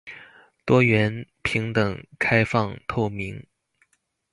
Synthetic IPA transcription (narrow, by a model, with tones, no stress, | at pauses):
t̪wɔ˥ɥɛ˧˥n | pʰi˧˥ŋt̪ɤ˨˩ŋkʰa˥ɪfɑ˥˧ŋt̪ʰo˥˩ʊmi˧˥ŋ